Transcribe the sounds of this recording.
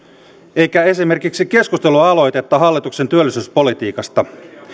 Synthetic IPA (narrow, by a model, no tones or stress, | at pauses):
e̞jkæe̞sime̞rkiksik̟e̞skust̪e̞luɑɑlo̞jt̪et̪ːɑɦɑlːit̪uksent̪yølːisyspo̞lit̪iːkɑst̪ɑ